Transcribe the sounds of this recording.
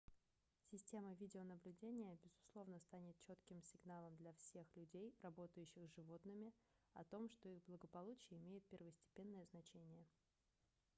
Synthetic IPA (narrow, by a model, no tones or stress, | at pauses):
sʲɪsʲtʲe̞məvʲidʲɪonəblʲʉdʲenʲɪjəbʲɪzʊslˠo̞vnəst̪anʲɪt̪̚t͡ɕo̞t̪kʲɪmsʲɪɡnalˠəmd̪lʲɐfsʲe̞xlʲʉdʲejrɐbo̞t̪əjʉɕːɪxʐɨvo̞t̪nɨmʲɪɐt̪o̞mʂt̪o̞iɣblˠəɡəpɐlˠut͡ɕɪjəɪmʲejɪt̪̚pʲɪrvəsʲtʲɪ̥pʲe̞nːəjəznɐt͡ɕenʲɪjə